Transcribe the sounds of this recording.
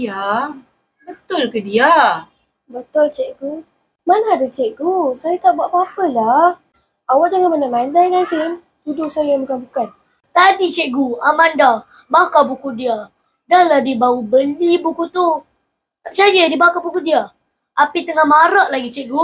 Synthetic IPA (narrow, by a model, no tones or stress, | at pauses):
ija | bət̪ʊlkədia | bət̪ʊlt͡ʃɛʔɡu | manaːdət͡ʃɛʔɡusajat̪aʔbuaʔpapəlah | awaʔd͡ʒaŋamanamandajnansɪŋ | t̪udʊhsajajabəkanbukan | t̪adit͡ʃɛʔɡuamanda | bakabukudia | danladibawubəlibukut̪u | apt͡ʃajədibakabukudia | apit̪əŋahmaɾaʔlaɡit͡ʃɛʔɡu